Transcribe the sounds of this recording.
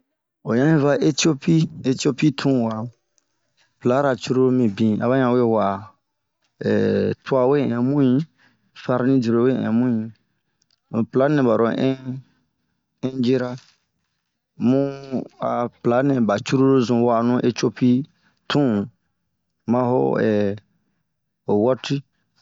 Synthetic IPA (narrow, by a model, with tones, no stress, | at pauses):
o˨ɲã˦ĩ˦va˦ʔe˦t̪i˦o˦pi˦e˦ti˦o˦pi˦t̪ʰũ˦˨wa˨ | pla˨˦ɾa˨t͡ʃu˦ɾo˦ɾo˦mĩ˨bĩ˨a˨βa˦ɲã˨we˦˨wa˨ | ɛ̰˨tʰu˦a˨we˦˨ɛ̃˨mũ˦ĩ˦ | fa˦ɾnĩ˦di˨ɾo˨we˦˨ɛ̰̃˨mũ˦ĩ˨ | pla˨˦nɛ̃˨ba˨ɾɔ̃˨ʔɛ˦ | ɛ̃˦d͡ʒe˦ɾa˦ | mũ˦a̰˨pla˨˦nɛ̃˨ba˨t͡ʃu˦ɾu˦ɾo˦zũ˨wa˨nũ˦ʔe˦t͡ʃo˦pi˦ | tʰũ˦˨ | mã˦ɦo̰˦ɛ˨ | o˨wɔ˦ti˦